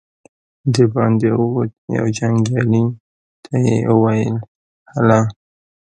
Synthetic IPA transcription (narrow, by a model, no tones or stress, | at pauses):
d̪ebɑnd̪eja̰wd͡ʒaŋɡɑli | t̪ʰajḛʔuwajəl | hala